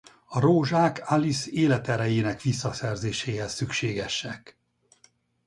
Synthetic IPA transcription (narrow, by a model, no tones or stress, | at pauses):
ɒɾoːʒaːkaliseːlɛt̪ɛɾɛjeːnɛkʋisːɒsɛrzeːʃeːɦɛsːykʃeːɡɛʃɛk